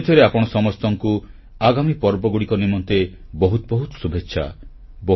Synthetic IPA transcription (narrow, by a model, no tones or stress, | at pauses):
d̪ʱjɔɾeapɔɽ̃ɔsɔmɔst̪ɔŋku | aɡamipɔɾbɔɡuɽikɔnimɔnt̪ebɔɦut̪ɔbɔɦut̪ɔ̥subʱetːʃʰa̰ | bɔ